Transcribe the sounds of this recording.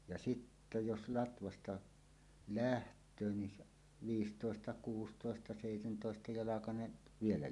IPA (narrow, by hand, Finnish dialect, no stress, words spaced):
jɑ sitːæ jos lɑtʋɑstɑ læhtˑøː ni s ʋiːstoˑestɑ kuːstoˑestɑ seˑitentoˑestɑ jɑlɑkɑneʔ ʋielæ